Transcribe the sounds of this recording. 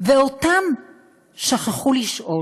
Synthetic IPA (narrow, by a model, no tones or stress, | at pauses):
veotam | ʃaχaχuliʃʔo̞